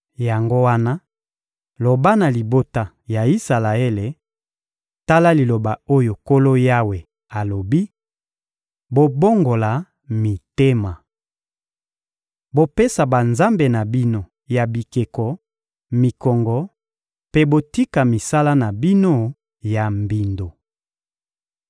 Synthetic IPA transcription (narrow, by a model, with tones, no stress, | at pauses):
ja˨ŋɡo˦wa˦na˦ | lo˨ba˦na˨li˨bo˦ta˦ | ja˨i˦sa˨la˨e˦le˨ | ta˦la˦li˨lo˨ba˨o˦jo˨ko˦lo˦ja˦we˨ | a˨lo˨bi˦ | bo˨bo˦ŋɡo˨la˨ | mi˨te˦ma˨ | bo˨pe˦sa˨ba˨nza˦mbe˨na˨bi˦no˨ | ja˨bi˨ke˨kɔ˨ | mi˨kɔ˨ŋɡɔ˨˦ | pe˦bo˨ti˦ka˨mi˨sa˦la˦na˨bi˦no˦ | ja˨mbi˨ndo˨